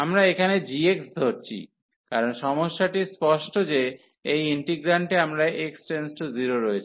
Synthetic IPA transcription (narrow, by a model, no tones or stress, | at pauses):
amɾaekʰaned͡ʑieksd̪ʱoɾt͡ɕʰḭ | kaɾonʃɔmoʃːaʈispɔʃʈod͡ʑe | ejiɳʈiɡɾaɳʈeamɾaʔeksʈensʈoziɾoɾɔet͡ɕʰi